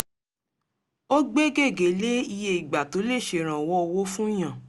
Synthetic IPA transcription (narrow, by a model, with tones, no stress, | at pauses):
o˦ɡ͡be˦ɡe˦˨ɡe˨˦le˦i˧je˧i˨ɡ͡ba˨to˨˦le˦˨ʃe˨ɾ̃ã˨wɔ˦˧wo˦fũ˦j̃ã˦˨